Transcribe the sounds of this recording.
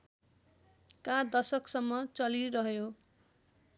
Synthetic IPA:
kad̪ʌsʌksʌmːʌt͡sʌliɾʌɦjo

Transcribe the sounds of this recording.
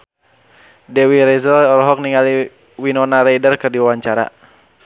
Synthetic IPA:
dɛwiɾɛzəlɔɾɔɦɔk̚niŋɡali | winɔnaɾɛidərkɨrdiwawaɲt͡ʃaɾa̰

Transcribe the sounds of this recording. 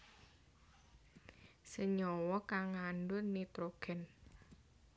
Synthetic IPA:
səɲɔwɔkaŋːanɖʊnːit̪ɾoɡ̥ɛ̤n

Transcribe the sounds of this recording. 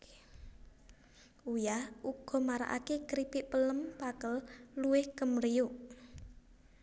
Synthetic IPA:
ujaʔuɡ̥ɔ̤maɾa̰ʔa̰kekɾipɪʔpələmpakəlluwɪhkəmɾiuʔ

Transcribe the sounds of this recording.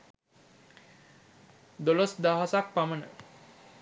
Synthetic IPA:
d̪olosd̪aɦasak̚pamənə̰

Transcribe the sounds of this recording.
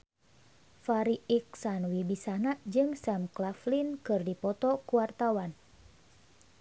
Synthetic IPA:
faɾiiksanwibisanad͡ʒɨŋsamklaflinkɨrdipɔt̪ɔkuwart̪awan

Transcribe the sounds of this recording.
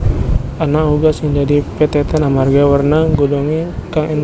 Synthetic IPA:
anahuɡasɪŋd͡ʒadipɛt̪ɛt̪ɛnamarɡawərnaɡɔdɔŋikaŋʔɛn

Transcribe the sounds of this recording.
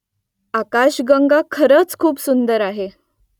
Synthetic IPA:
akaɕɡəŋɡakʰəɾət͡skʰuːpsund̪əɾaɦe

